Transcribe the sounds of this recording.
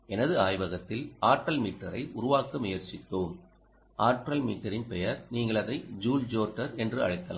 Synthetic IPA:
ʔɛnɐðɯaːjʋɐɣɐt̪ːɪlaːɾʈɾɐlmiːʈːɐɾɐɪʔʊɾʊʋaːkɐmʊjɐɾt͡ʃɪt̪ːoːm | ʔaːɾʈɾɐlmiːʈːɐɾɪnpɛjɐɾniːŋɡɐɭɐðɐɪd͡ʒuːld͡ʒoːʈːɐɾɛndrɯɐ̰ɻɐɪt̪ːɐla̰ː

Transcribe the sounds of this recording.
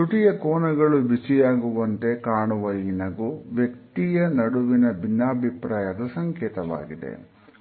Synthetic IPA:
t̪uʈijɐkoːnɐɣɐɭubisijaːɡuʋɐnt̪ekaːɳuʋɐjinɐɡuʋjekt̪ijɐnɐɽuʋinɐbinːaːbʱipɾaːjɐd̪ɐsɐŋkeːt̪ɐʋa̰ːɡid̪ḛ

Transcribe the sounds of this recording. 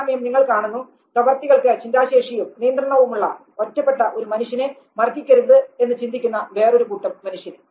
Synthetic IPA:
mɐjɐmniŋːɐɭkaːɳunːu | prɐʋɐrt̪iɣɐɭkɨt͡ɕindaːɕeːʂijumnijɐnd̪rɐɳɐʋumuɭːɐ̰ | otːɐpːeʈːɐʔoɾumɐnuʂjɐne | mɐrɡ̪ikʲːɐɾunðɨe̞nːɨt͡ɕind̪ikʲːunːɐʋe̞ːro̞ɾukuʈːɐmːɐnuʂjɐn

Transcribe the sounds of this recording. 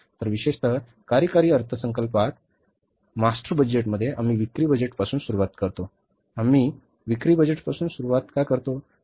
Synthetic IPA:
t̪əɾʋiɕeʂt̪ʰə | kaɾjəkaɾiːəɾt̪ʰəsəŋkəlpat̪ | masʈəɾbəd͡ʑeʈ̬məd̪ʱːjeʔamiːʋikɾiːbəd͡ʑeʈpasuːnsuɾuʋat̪kəɾt̪o | amiː | ʋikɾiːbəd͡ʑeʈpasuːnsuɾuʋat̪kakəɾt̪o

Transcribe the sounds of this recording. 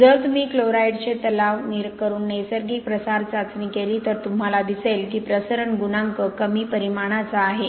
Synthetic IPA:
d͡zət̪umiːkloɾajɖt͡ɕet̪əlaʋniɾkəɾuːnːesəɾɡiːpɾəsaɾt͡sat͡sniːkeliːt̪əɾt̪um̤alad̪iselkiːpɾəsəɾəɳɡunaŋkəkəmiːpəɾimaɽ̃at͡saːɦe

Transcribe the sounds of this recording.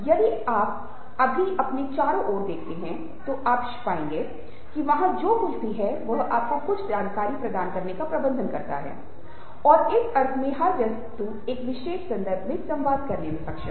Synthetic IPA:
jɐd̪iaːp̚ | ɐbʱiʔɐpnet͡ʃaːɾõʔɔːɾd̪eːkʰt̪eɦɛ̃ | t̪oʔaːpʃɪ̥paːẽːŋɡe | kiʋɐɦãd͡ʒoːmʊd͡ʒʱbʱiɦɛʋɐɦaːp̚kokʊt͡ʃʰd͡ʒaːnkaːɾipɾɐd̪aːnkɐɾnekapɾɐbə̃nd̪ʱənkɐ̰ɾt̪a̰ɦɛ̰ː | ɔːɾɪsɐɾt̪ʰmẽɦɐɾd͡ʒɐs | t̪u | eːkʋɪʃeːʃsɐ̃nd̪əɾbʱmẽsɐ̃mʋaːd̪kɐɾnemẽpɐkʃə

